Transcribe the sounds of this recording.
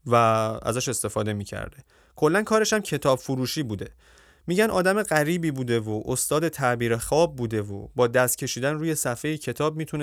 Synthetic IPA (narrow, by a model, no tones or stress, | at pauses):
vææ̰zæʃe̞st̪e̞fɒːd̪e̞miːcʰæ̰ɾd̪e̞ | kʰo̞lːænkʰɒːɾeʃæmcʰe̞t̪ʰɒːbfuɾuːʃiːbuːd̪e̞ | miːɟænɒːd̪æme̞ɢæɾiːbiːbuːd̪e̞voʔost̪ɒːd̪e̞t̪ʰæʔbiːɾe̞xɒːb̚ːuːd̪e̞vo̰bɒːd̪æst̪̚cʰe̞ʃiːd̪ænruːje̞sæfe̞jicʰe̞t̪ʰɒːb̚miːt̪ʰun